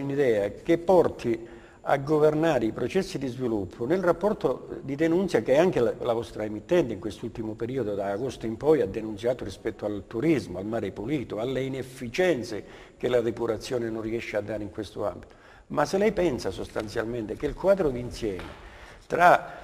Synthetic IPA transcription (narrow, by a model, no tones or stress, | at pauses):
nid̪ɛːakepːɔrt̪ʰi | a̰ɡːovernaːɾeipɾot͡ʃɛsːid̪izvilupʰːʊnelrapːɔrt̪od̪id̪enunt̪sjakeɛaŋkellavɔst̪ɾaemit̪ːɛnt̪eiŋkwest̪ult̪imʊpeɾiːod̪od̪aːɡost̪oimpɔjad̪ːenunt̪sjaːt̪ʊrispɛt̪ːoalt̪uɾizmʊalmaːɾepuliːt̪ʊalːeinefːit͡ʃɛnt̪se | k̟elad̪epuɾat̪sːjɔːnenonriɛʃːead̪ːaːɾeiŋkwest̪oa̰mbit̪o̥ | masːelɛjpɛnsasost̪ant̪sjalment̪ek̟elkwaːd̪ɾod̪insjɛːmḛ | t̪ɾa